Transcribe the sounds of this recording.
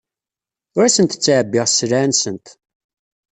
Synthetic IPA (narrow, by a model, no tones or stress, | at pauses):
ʊɾasənt̪t͡sːʕəbːɪʁslʕnsənt̪